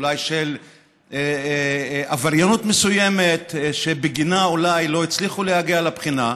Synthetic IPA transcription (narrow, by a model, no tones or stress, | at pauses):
lajʃel | avaʁjonut̪mesuje̞met̪ʃebeɡinaulajlo̞it͡sliχulehaɡialapχina